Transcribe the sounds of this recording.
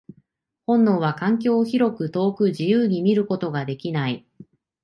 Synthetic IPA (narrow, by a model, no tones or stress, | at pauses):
hõ̞nːoːβakãŋk̬ʲo̞ːçiɾo̞kɯ̟t̪o̞ːkɯ̟ʑijɯːɲ̟imʲiɾɯ̟ko̞t̪o̞ɡad̪e̞kʲinai